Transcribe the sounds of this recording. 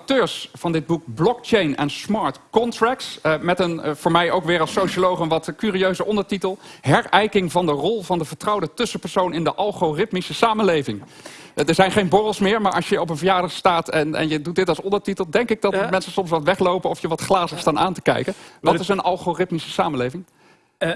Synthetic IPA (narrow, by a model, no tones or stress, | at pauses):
tøːɹsfɑndɪd̚buk̚blɔk̚t͡ʃejnɛ̰nsmɑɹtkɔntrɛk̚tsmɛtənv̥ʊːɹmɛjʔowkʋɪːɾɑlˠsowʃolowχənʋɑtkyːriøɥzəʔɔndəɹtitəlˠɦɛɹɛjkɪŋvɑndərɔlˠvɑndəvəɹtrɑwdətɵsəpɛɹsownɪndəʔɑlˠχorɪtmisəsaːmənlejvɪŋ | dəɹzɛjnχejnbɔrəlˠsmɪːɹmaːɹʔɑʃjəɔpənvəjaːdəχstaːtɛnɛ̰njədut̚dɪtɑlˠsɔndəɹtitəlˠdɛŋkɪɡ̚dɑtmɛnsəsɔms̬ʋɑtʋɛχlowpənɔfjəʋɑtχlaːzəstaːnaːntə̥kɛ̰jkəʋɑtɪsənʔɑlˠχorɪtmisəsaːmənlejvɪŋ